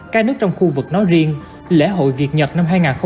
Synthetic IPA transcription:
kaː˦˥k̚nɨ˦˥ək̚t͡ɕɔ˧wŋ͡mxu˧vɨ˨˩k̚nɔ˨˦jzi˧ən | lḛ˧˥ɦo̰˧˨jvi˨˩ət̚ɲə˨˩t̚na˧mɦaː˧jŋaː˨˩nxə˧

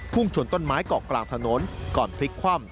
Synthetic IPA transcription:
pʰu˥˩ŋt͡ɕʰu˧˩ənt̪o˥˩nmaː˦˥jkɔː˨˩klaː˨˩ŋt̪ʰa˧noː˩˥nkɔː˨˩npʰli˦˥kʰwaː˥˩m

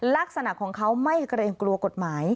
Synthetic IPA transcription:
laː˥˩k̚sa˧na˨˩kʰːɔː˩˦ŋkʰa˦˥wma˥˩jkɾeː˧ŋklu˧ɐko˨˩t̪̚maː˩˦j

